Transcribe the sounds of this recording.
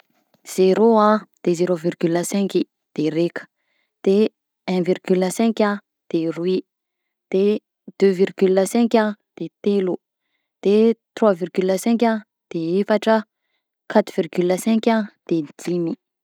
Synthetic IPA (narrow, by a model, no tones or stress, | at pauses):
z̥eɾoãd̪̥ezeɾovirɡyləsɛ̃ki | d̪̥eɾekə̥ | d̪̥e | ɛ̃virɡyləsɛ̃ŋkʲã | d̪̥erwi | d̪̥e | d̪̥øvirɡyləsɛ̃ŋkʲãd̪̥et̪elu | d̪̥et̪rwavirɡyləsɛ̃ŋkʲã | d̪̥eefaʈ͡ʂə | kʰat̪uvirɡyləsɛ̃ŋkʲãd̪̥ed̪imi